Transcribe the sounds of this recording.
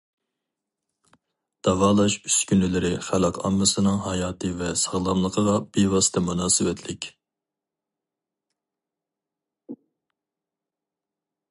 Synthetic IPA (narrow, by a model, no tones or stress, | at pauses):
d̪̥ɑvɑːlˠɑʃyskʲynɪlɪɾɪχælˠɑqʰɑ̰mːɨsɨnɨŋɦɑjɑːt̪ʰɨvɛsɑʁlˠɑmlˠəqʰəʁɑb̥ewɑsɨ̥t̪ʰɛmunɑːsɨwɛt̪ʰlɪkʲ